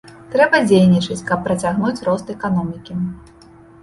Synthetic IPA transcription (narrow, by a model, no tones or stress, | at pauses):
t̪ɾɛbɐd͡zʲejnʲit͡ʂɨt͡sʲkɐpːɾɐt͡sʲaɣnut͡sʲrɔst̪ɛkanɔmʲikʲi